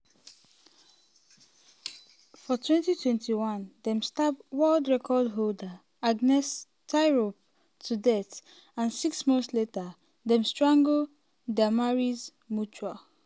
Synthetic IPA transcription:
fɔtʰwɛ̃ntitʰwɛ̃ntʰiwɔ̃ndɛ̃mstapwɔldɹɛkʰɔdɦolda | aɡnɛs | tʰaɪɹop | tʰudɛt | ãnsiksmɔ̃nθsletə | dɛ̃mstɹãŋɡo | damaɹiz | mut͡ʃa

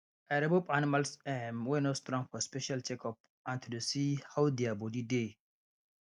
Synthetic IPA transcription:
aɾɛbopanimalsɛmwɛnɔtstɾɔ̃ŋfɔspɛʃalt͡ʃɛkɔp̚ | ãntʰutusihawd̪ɛabɔdide

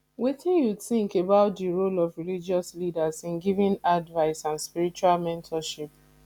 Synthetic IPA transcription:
wetĩnjuθĩŋkebaʊt̚diɹolɔvɹilid͡ʒɔslidazɪ̃nɡivĩnadvaɪsãnspiɹit͡ʃualmɛ̃ntʰɔʃip̚

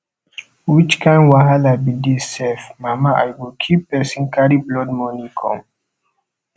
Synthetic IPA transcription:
wit͡ʃkʰãɪ̃nwaɦalabidisɛfmamaʔa̰jwilkʰipːɛsĩnkaɾiblɔd̚mɔnĩkʰɔ̰̃m

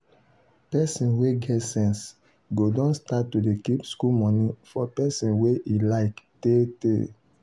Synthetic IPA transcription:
pɛsĩnweɡɛtsɛ̃ns | ɡodɔ̃nstattːodekipskulmɔ̃nĩfɔpɛsĩnweʔilaɪktetḛ

